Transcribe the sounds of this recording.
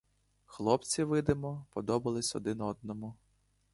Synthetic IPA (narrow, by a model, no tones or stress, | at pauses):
xlˠɔpt͡sʲiʋɪd̪ɪmɔpɔd̪ɔbɐlˠɪsʲɔ̰d̪ɪnɔd̪̚nɔmʊ